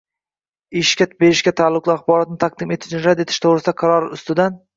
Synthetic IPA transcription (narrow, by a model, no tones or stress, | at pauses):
ɪʃkʲat̪be̞ɾɪʃkʲat̪ʰaːlˠːʊqlˠɪaχbɒɾat̪̚nɪt̪ʰaq̚d̪ɪme̞t̪ʰɪ̥ʃnɪɾad̪e̞t̪ʰɪ̥ʃt̪ʰoʁɾɪsɪd̪aqʰɑɾɒɾʊst̪ɪd̪an